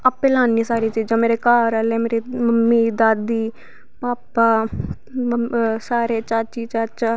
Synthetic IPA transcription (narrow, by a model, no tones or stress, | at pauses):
apẽːlaːnisaːɾiːt͡ʃiːd͡ʒãːmeːɾekaːɾəleːmeːɾiməmːiːd̪aːd̪iː | paːpaː | saːɾeːt͡ʃaːt͡ʃiːt͡ʃat͡ʃaː